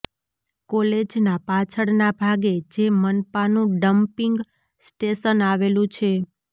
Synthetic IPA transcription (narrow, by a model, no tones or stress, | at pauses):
kɔled͡ʒnapat͡ʃʰəɽnabʱaɡed͡ʒemənpanũɖəmpiŋɡ | sʈeʃənaʋelũt͡ʃʰe